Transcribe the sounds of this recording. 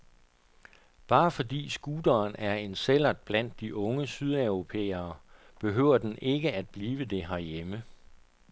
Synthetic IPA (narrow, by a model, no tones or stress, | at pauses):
b̥ɑ̈ːfɒ̽dḭːsɡ̥uːd̥ɐːnæɐe̝nsel̰ɐd̥̚b̥læn̰d̥ːiʔɔ̽ŋəsyð̞ˠæʊʁo̝pʰḛːɐː | b̥e̝ɦø̰ʊ̰ɐd̥ene̝ɡ̥əæd̥̚b̥liːʋəd̥e̝ɦɑjemə